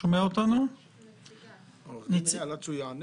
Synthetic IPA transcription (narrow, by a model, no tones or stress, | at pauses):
omeaot̪anu | nit͡slat͡sujan